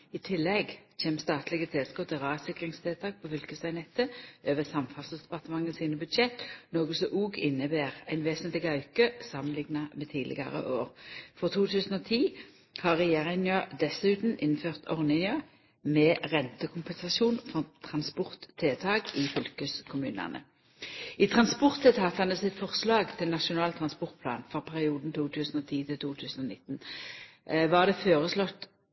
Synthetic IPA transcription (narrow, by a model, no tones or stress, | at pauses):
ɪt̪ʰɪlːɛɡt͡ʃʰeːmst̪ɑːt̪lɪɡət̪ʰɛːskɔt̪ʰɪʁɑːsɪkʁɪŋst̪ʰeːt̪ʰɑːk̚pʰɔfʏlkəsæɪnɛt̪ːəøːʋəsɑmfɑsəsd̪ɛpɑʁt̪əmɑŋːəsiːnəbʉd̪ʃɛt̪noːɡəsɔʔuːɡɪnːəbeːʁæɪnʋeːsənt̪lɪɡɑʉkəsɑmənlɪŋnɑmɛt̪ʰiːlɪ̰ɡɑ̰ʁə̰ʔoːʁfɔʁt̪ʰuːt̪ʰʉːsənɔːt̪ʰiː | hɑʁɛjeːʁɪnɑd̪ɛsʉːt̪n̩ʔɪnføːʁt̪ʰɔʁnɪŋø | mɛːʁɛnt̪əkʰʊmpɛnsɑsuːnfɔʁt̪ʰʁɑnspɔʁt̪ʰːeːt̪ʰɑːɡɪfʏlkəskʰʊmʉ̰ːnæ̰nə̰ | it̪ʰʁɑnspɔʁt̪ʰːeːt̪ʰɑːt̪ɑnəsɪt̪fɔʁslɑːɡt̪ʰɪlnɑʃʊnɑːlt̪ʰʁɑnspɔʁt̪̚pʰlɑ̰ːnfɔʁpʰæʁɪuːd̪n̩t̪ʰuːt̪ʰʉːsn̩ɔːt̪ʰiːt̪ʰɪlt̪ʰuːt̪ʰʉːsn̩ɔnɪt̪ːn | ʋɑʁd̪ɛføːʁəslɔt̪ː